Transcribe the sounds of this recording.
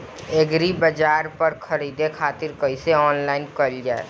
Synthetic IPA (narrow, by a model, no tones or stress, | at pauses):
eɡɾibəd͡ʒaːɾpəɾkʰɐɾiːd̪ekʰaːt̪ɪɾkəɪseɔːnlaːɪnkəld͡ʒaːḛ